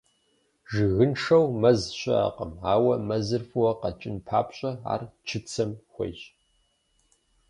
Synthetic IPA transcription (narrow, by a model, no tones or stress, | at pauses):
ʒɨɣɨnʂɐwmɐzɕʼɐ̰a̰qɐmaːwɐmɐzɨrfɨwɐqɐt͡ʃʼɪnpʰaːpʰɕʷʼɐa̰ːrt͡ʃʰɨt͡sʰɐmxʷḛjɕʼ